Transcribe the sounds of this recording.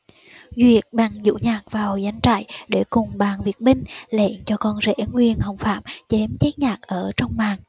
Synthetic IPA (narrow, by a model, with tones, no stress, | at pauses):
zwi˨˩ət̚ɓaː˨˩ŋzṵ˧˥ɲaː˨˩k̚vaː˨˩wjza˨˦jŋ̟t͡ɕa̰ː˧˨jɗe˧˩kʊ˨˩ŋ͡mɓaː˨˩nvi˨˩ət̚ɓï˧ŋ̟lḛ˧˨nt͡ɕɔ˧kɔ˧nzɛ̰˧˥ŋwi˧ənhə˨˩wfaː˧˩˨mt͡ɕɛ˨˦mt͡ɕɛ˦˥t̚ɲaː˨˩k̚ʔəː˧˩t͡ɕɔ˧wŋ͡mɓaː˨˩ŋ